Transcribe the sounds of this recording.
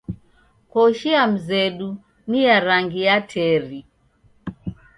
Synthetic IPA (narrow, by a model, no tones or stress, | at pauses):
kɔʃiam̩zɛɗu | nijaɾaŋɡiatʰɛɾi